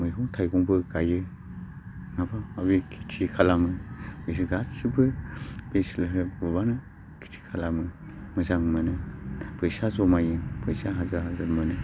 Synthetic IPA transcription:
mɯjkʰɔŋtʰajɡɔŋbɯɡajɯ | ŋabaaβikʰi̥tʰikʰalamɯbes̬ɯɡatsibɯb̥eslɦɯbubanɯ | kʰi̥tʰi̥kʰalamɯ | mɯzaŋmɯnɯpʰɯjsazɔmajɯpʰɯjsaɦazaɦazamɯnɯ

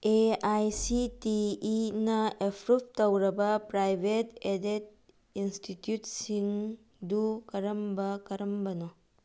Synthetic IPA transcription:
eajsitiːnɐepʰɾup̚tɐwɾɐbɐpɾajbʱetedet̚ | institjutsiŋ | dukɐɾɐmbɐkɐɾɐmbɐnɔ

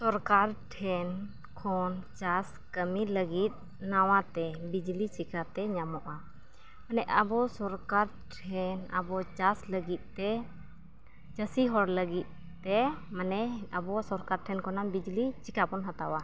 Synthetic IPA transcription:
sɔɾkaɾʈʰɛn | kʰɔnt͡ʃas | kəmiləɡit̪̚ | nawat̪ɛbid͡ʒlit͡ʃikʰat̪ɛɲamɔʔa | manɛʔʔabɔsɔɾkaɾ | ʈʰɛna̰bɔt͡ʃasləɡit̪̚ˀt̪ɛ | t͡ʃəsiɦɔɾləɡit̪̚ | t̪ːɛmanɛabɔsɔɾkaɾʈʰɛnkʰɔnabid͡ʒlit͡ʃikapɔnɦat̪awa

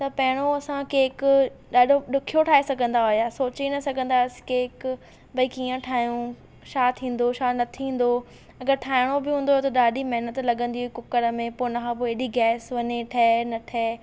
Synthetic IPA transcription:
t̪ɐpɐɦɪɽ̃oɐsãkeːkɗaːɗʱoɗʊkʰijoʈʰaːesɐɡʱə̃n̆d̪aɦojasoːt͡ɕenɐsɐɡʱə̃nd̪askeːk | bɐikiːə̃ʈʰaːjũ | ʃaːt̪ʰĩːn̆d̪oʃaːnɐt̪ʰĩːn̆d̪o | ɐɡəɾʈʰaːɪɽ̃obɪɦũːnd̪ot̪ɐɗaːɗimɐɦɪnət̪lɐɠə̃nd̪iɦʊikʊkəɾəmẽpoːnakʰãpoeːɗiɡɛːsʋɐɲeʈʰɐːnɐʈʰɛː

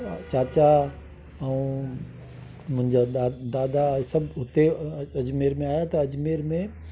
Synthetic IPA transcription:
t͡ʃaːt͡ɕa | ɐũ | mʊ̃ɦɪɲd͡ʑad̪aːd̪asɐbɦʊt̪eɐd͡ʑmeːɾmẽaːjat̪ɐɐd͡ʑmeːɾmẽ

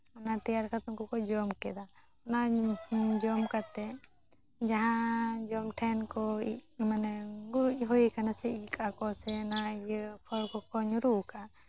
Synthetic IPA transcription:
ɔnat̪ɛjaɾkʰat̪ɔŋkɔkɔd͡ʒɔmkɛd̪a | ɔna | d͡ʒɔmkat̪ɛ | d͡ʒaɦãd͡ʒɔmʈʰɛnkɔimanɛɡuɾuʔɦoikanasɛikʰʼakɔsɛnajpʰɔɾkɔkɔɲɾuʔka

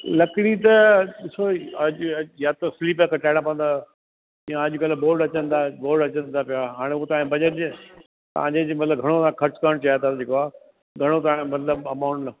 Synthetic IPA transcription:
lɐkɪɽit̪ɐɗɪsoɐʄjat̪osliːpekʰẽʈaːɪɽãpɐ̃nd̪aː | ijãɐʄʊkɐlboːɖɐt͡ɕə̃nd̪aboːɾɖɐt͡ɕə̃nt̪ʰapijaɦaːɽ̃eut̪aãbɐʄəʈd͡ʑɪ | t̪ɐ̤ãːɲd͡ʑed͡ʑimɐt̪ləbɡʱɐɽ̃ot̪ɐãkʰɐɾt͡ɕkəəɽ̃t͡ɕaːjat̪ʰad͡ʑeːkoaː | ɡʱɐɽ̃ot̪ɐãmɐt̪ləbɐmaːʊ̃ɳʈnɐ

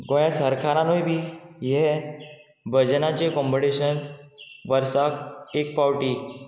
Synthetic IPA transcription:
ɡojasəɾkʰaɾãnojbʱiːjɛ | bʱəd͡ʑnat͡ɕekɔmbəɽeɕənʋəɾsakek̚pawʈi

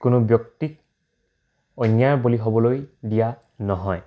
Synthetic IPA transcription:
kʊnʊbjɔktik | ɔnjaɹboliɦobɔlojdija | nɔɦɔj

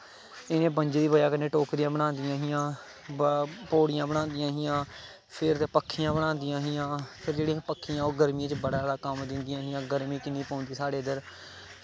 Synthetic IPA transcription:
ɪnẽːbə̃ɲd͡ʒd̪iːbəjaːkənːeːʈoːkɾɪjãːbəɽ̃ãːnd̪ɪjãːɦɪjãː | poːɽɪjãːbəɽ̃ãːnd̪ɪjãːɦɪjãː | pʰɪɾt̪ːpəkʰːɪjãːbəɽ̃aːnd̪ɪjãːɦɪjãːpʰɪɾd͡ʒeːɽiãpəkʰːɪjãːoːɡəɾmjãːt͡ʃbəɽaːɾaːkəmd̪ɪnd̪ɪjãːɦɪjãːɡəɾmiːkɪnːiːpɔ̃ːnd̪iːsaːɽeːəd̪əɾ

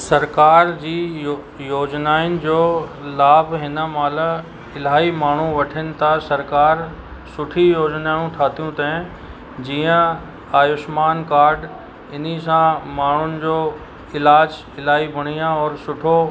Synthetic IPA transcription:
sɐɾkaːɾd͡ʑiː | joːd͡ʑnaːɪnɪ̆d͡ʑoːlaːbʱɦɪnəmaːlə | ɪlaːimaːɳ̤ũʋɐʈʰənɪ̆t̪ɐsɐɾkaːɾ | sʊʈʰijoːd͡ʑnaːjũʈʰaːt̪ijũt̪ɐẽ | d͡ʑiːə̃ | aːjʊʃmaːnkaːɾɖ | ɪnisãmaːɳ̤ʊnɪ̆d͡ʑoː | ɪlaːd͡ʑ | ɪlaːibɐɽ̤̃ijãɔːɾsʊʈʰo

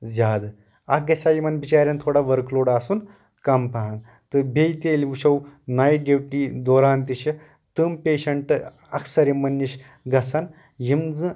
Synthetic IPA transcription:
zʲaːd̪ | aɡɐsajimɐnbit͡ɕaːɾʲjɐnt̪ʰoɽaʋɐɾkloːɽasuːn | kɐmpaɦan | t̪ɨbʱejt̪eliʋuɕɐwnajɖepʈid̪oːɾaːnt̪iɕɐ | t̪ɨmpeːɕɐɳʈ | ɐ̰ksɐɾimɐnːiɕ | ɡɐsan | jimd͡zɨ̃

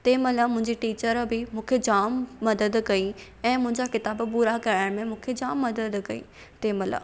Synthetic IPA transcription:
t̪eːmɐlamʊ̃ɦɪ̃ɲd͡ʑiʈiːt͡ɕəɾbɪmũːkʰed͡ʑaːmːɐd̪əd̪kɐi | ɛ̃ːmʊ̃ɦɪ̃ɲd͡ʑakɪt̪aːbpuːɾakɐaːɽ̃mẽmũːkʰed͡ʑaːmːɐd̪əd̪kɐḭ | t̪eːmɐla̰

